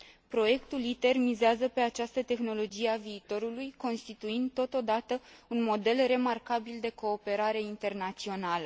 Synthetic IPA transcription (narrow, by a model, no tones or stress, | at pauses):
pɾo̞je̞kt̪ulit̪e̞rmizeazəpe̞at͡ʃast̪ət̪e̞xno̞lo̞d͡ʒijeaviːt̪o̞ɾulujko̞nst̪it̪uind̪̚t̪ːo̞t̪o̞d̪at̪əunmo̞d̪e̞lre̞markabild̪e̞ko̞ːpe̞ɾaɾe̞int̪e̞rnat̪sio̞nalə